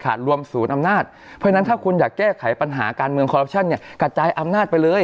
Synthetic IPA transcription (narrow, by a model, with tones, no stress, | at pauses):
kʰa̰ː˨˩t̪̚ɾu˧əmsuː˩˦nʔa˧mnaː˥˩t̪̚ | pʰːna˦˥nt̪ʰaː˥˩kʰu˧njaː˨˩kːɛː˥˩kʰa˩˦jpa˧nɦa̰ː˩˦kaː˧nmɯ˧əŋkʰɔː˧ɾa˦˥p̚t͡ɕʰa˥˩nːi˥˩ɐka˧˩t͡ɕaː˧jʔa˧mnaː˥˩t̪̚pa˧jlɤː˧j